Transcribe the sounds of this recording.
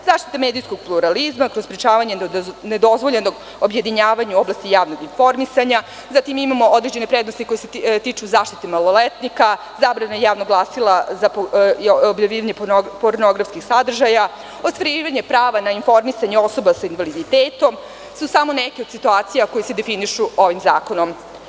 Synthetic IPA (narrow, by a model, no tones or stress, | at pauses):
zaːʃt̪i̥t̪amed̪ijsko̞ɡ̚plˠuɾalizmakɾospɾit͡ʃaːʋaɲe̞ned̪o̞zʋoʎenoɡ | obje̞d̪iɲaːʋaɲuoblast̪ijaːʋnoɡinfo̞ɾmisaɲa | zat̪imimamo̞ʔod̪ɾed͡ʑe̞nepɾed̪nost̪iko̞jeset̪it͡ʃuzaːʃt̪i̥t̪emalˠo̞let̪nika | zaːbɾanaejaːʋnoɡlˠasilˠazap | objaʋiːʋaɲe̞poɾno̞ɡɾafskixsad̪r̩ʒaja | ost̪ʋaɾiʋaɲe̞pɾaːʋanainfo̞ɾmisaɲeo̞so̞basainʋalid̪it̪eːt̪o̞m | susamo̞nekeod̪̥sit̪uaːt̪sijako̞jese̞d̪efiniʃuo̞ʋimzaːko̞nom